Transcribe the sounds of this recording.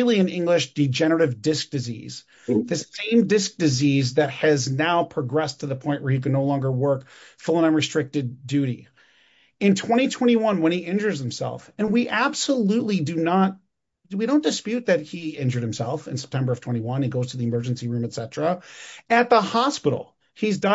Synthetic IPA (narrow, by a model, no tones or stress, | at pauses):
lˠiɨ̃nɪ̃ŋɡlɪʃd̥ɨd͡ʒɛñəɾɨvdɪsk̚d̥ɨzḭz̥ | ðɨsẽɪ̃mdɪsk̚d̥ɨzizðɨt̚ɨznaʊpʰɹ̥əɡɹɛstʰɨðəpʰɔ̃ɪ̃nʔwʔə˞ikɨnⁿoʊlɔ̃ŋɡə˞wɜ˞k | fʊlˠə̃ñʌ̃nɹɨstɹ̥ɪk̚tɨd̚ʉɾi | ɨ̃ntʰw̥ɛ̃ɾ̃itʰw̥ɛ̃ɾ̃iwʌ̃nwə̃niɪ̃nd͡ʒə˞z̥hɨ̃m̩sɛ̰lˠfɨ̃nwiʔæb̥səlutˡlidɨnət̚ | wiɾõʊ̃nd̥ɨspjʉt̪̚ðɨt̚hiɪ̃nd͡ʒə˞ɾ̚hɨ̃msɛlˠfɨ̃nsɛ̥p̚tʰɛ̃mbə˞ʌv̥tʰw̥ɛ̃ɾ̃iwʌ̃niɡoʊz̥tʰɨðiɨmɜ˞d͡ʒɨ̃n̩siɹʉ̃mɨtsɛɾɹ̥əɨt̪̚ðəhɑspɪɾl̩ˠ | izdã